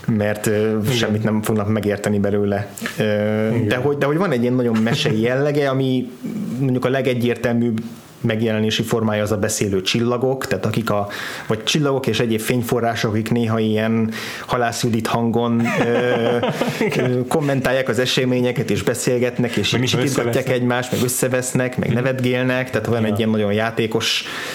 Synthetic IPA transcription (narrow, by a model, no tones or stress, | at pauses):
mɛrt̪øːʃɛmːit̪nɛɱfo̞ɡnɒkmɛɡeːrt̪ɛnibɛløːlɛøːd̪ɛɦo̞ɟd̪ɛɦo̞ɟʋɒnɛɟːijɛnːɒɟo̞mːɛʃɛjijɛlːɛɡɛɒmimoɲɟukɒlɛɡɛɟːeːrt̪ɛlmyːb | mɛɡjɛlɛneːʃifo̞rmaːjɒːzɒbɛseːløːt͡ʃilːɒɡo̞kt̪aːt̪ɒkikɒvɒɟt͡ʃilːɒɡo̞keːʃɛɟeːpfeːɲfo̞rːaːʃokɒkikneːɦɒiɛn | hɒlaːsud̪it̪hɒŋɡo̞nø | ko̞mːɛnt̪aːjːaːkɒzɛʃɛmeːɲɛkɛt̪eːʒbɛseːlɡɛt̪nɛkeːʃit͡ʃiiɒːaːkɛɟmaːʃt̪mɛɡø̞sːɛvɛsnɛkmɛ̰ɡnɛvɛd̪ɡeːlnɛkt̪aːt̪ojɒnɛɟːiɛnːɒɟo̞njaːt̪eːko̞ʃ